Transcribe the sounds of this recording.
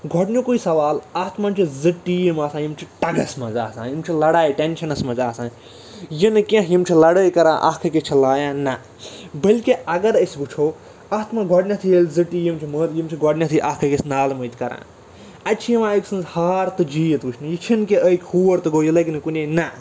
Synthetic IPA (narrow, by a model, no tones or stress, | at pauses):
ɡʱɔʈnʲjukuisɐʋaːlɐt̪ʰmɐnt͡ʃʰizɨʈːijimaːsãːjimt͡ʃʰiʈɐɡɐ̰smɐ̃zaːsã̰ːjimt͡ʃʰilɐɽaːjiʈenʃʰɐnɐsmɐ̃zaːsãː | jinɨkʲɐ̃ɦjimt͡ʃʰilɐɽəːjkɐɾã̰ːʔɐ̰kʰɐket͡ʃʰilaːjãːnɐ | bəlʲkiɐɡɐɾəsʲbɨt͡ʃʰoː | ɐːt̪ʰmɐ̃ɡʱɔɽnʲɐt̪ʰijelʲzɨʈːijimt͡ʃʰiməɾjimt͡ʃʰiɡʱɔʈnʲɐt̪ʰiʔɐkʰɐkʲesnaːlməːt̪ʰʲkɐɾã̰ː | ɐtːt͡ʃʰijimãːɐksɨ̃nzhaːɾt̪ɨd͡ʒiːjit̪bɨt͡ʃʰnijit͡ʃʰinkeʔəkʲʰhuːɐɾt̪ɨɡoːjilɐkinɨkunʲenɐ